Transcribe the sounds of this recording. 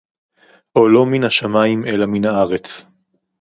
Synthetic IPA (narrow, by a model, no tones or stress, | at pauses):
ʔolo̞minhaʃamaimʔe̞laminhaaʁet͡s